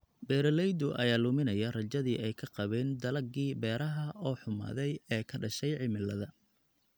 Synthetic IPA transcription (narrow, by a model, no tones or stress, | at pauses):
bɛːɾɐlɛjd̪ʊʔɐ̰jaːlʊmɪnɐjɐrɐt͡ʃɐðiːʔɛjkʰɐqɑβɛːnd̪ɐlɐɡiːbɛːɾɐɦɐɔːħʊma̰ːðɛjɛːkʰɐɖɐʃɛjʕɪmɪlːɐðɐ